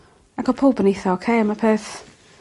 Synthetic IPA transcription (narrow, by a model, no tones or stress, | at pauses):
akʰɔpʰoːbənejθaokʰeːəmapʰeːθ